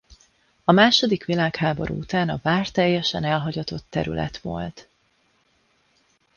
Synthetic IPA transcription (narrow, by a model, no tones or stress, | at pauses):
ɒmaːʃo̞d̪ikʋilaːkhaːbo̞̰ɾʔṵːut̪aːnɒvaːrt̪ɛjːɛʃɛnɛlɦɒɟɒt̪o̞t̪ːɛɾy̰lʔɛ̰t̪ʋo̞̰lt̪